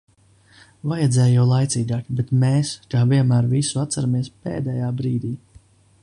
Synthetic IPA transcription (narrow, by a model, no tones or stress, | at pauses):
vajɛd̪zʲɛːjujawlˠajt̪siːɡaːkbet̪meːskaːviɛnmæːɾvisuat̪saɾamiɛspḛːd̪ɛjaːbɾiːd̪iː